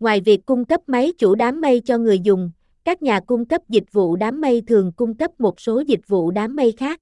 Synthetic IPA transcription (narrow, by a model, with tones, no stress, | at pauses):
ŋwaː˨˩jvi˨˩əkːʊ˧ŋ͡mkə˦˥p̚mə˨˦jt͡ɕu˧˩ɗaː˨˦mːə˧jt͡ɕɔ˧ŋɨ˨˩əjzʊ˨˩ŋ͡m | kaː˦˥k̚ɲaː˨˩kʊ˧ŋ͡mkə˦˥p̚zï˨˩k̚vṵ˧˨ɗaː˨˦mːə˧jt̪ʰɨ˨˩əŋkʊ˧ŋ͡mkə˦˥p̚mo˨˩t̚so˨˦zï˨˩k̚vṵ˧˨ɗaː˨˦mːə˧jxaː˦˥k̚